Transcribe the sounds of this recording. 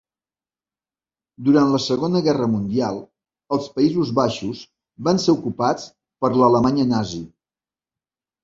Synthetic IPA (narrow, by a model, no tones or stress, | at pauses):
d̪uɾant̪ləsəɣonəɣɛrəmund̪ialˠ | əlˠspəizuzβaʃus | βanseukupat͡s | pəɾlələmaɲənazi